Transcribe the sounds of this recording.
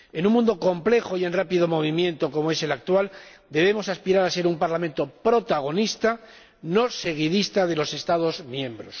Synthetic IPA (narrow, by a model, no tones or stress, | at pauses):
e̞nuŋmũnd̪o̞ko̞mple̞xoie̞nrapiðo̞mo̞β̞imjẽ̞nt̪o̞ko̞moe̞se̞lak̚t̪wald̪e̞β̞e̞mo̞saspiɾaɾase̞ɾumpaɾlament̪o̞pɾo̞t̪aɣ̞o̞nist̪a | no̞se̞ɣ̞iðist̪að̞e̞lo̞se̞st̪að̞o̞zmjẽ̞mbɾos